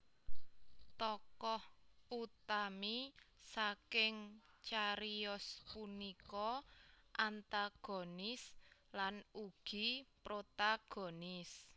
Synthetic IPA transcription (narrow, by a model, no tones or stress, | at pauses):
t̪ɔkɔhut̪amisakɪŋ | t͡ʃaɾiɔspunikɔʔant̪aɡ̥o̤nɪslanuɡ̥i̤pɾot̪aɡ̥ɔ̤nɪs